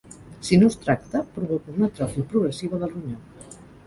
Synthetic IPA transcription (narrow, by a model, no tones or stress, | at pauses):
sinost̪ɾak̚t̪əpɾuβokuunət̪ɾɔfipɾuɣɾəsiβ̞əðəlˠruɲa